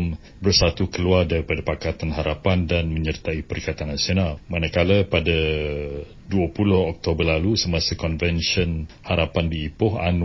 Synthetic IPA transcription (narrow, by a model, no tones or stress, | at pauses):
m | bərsat̪ukəluardaɾipadapakat̪anɦaɾapandanmə̃ɲərt̪aipəɾikat̪anːasionalmanakaləpada | duapulʊhɔk̚t̪obərlalusəmasəkɔnvɛnʃənhaɾapandiːpʊɦa̰n